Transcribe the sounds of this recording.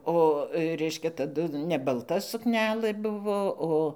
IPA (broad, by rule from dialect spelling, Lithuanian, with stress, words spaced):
oː ˈrʲɛɪʃʲkʲɛ tɐˈdʊ nʲɛ bɐlˠˈtɐ sʊkˈnʲæːlˠɘ ˈbʊʋoː ˈoː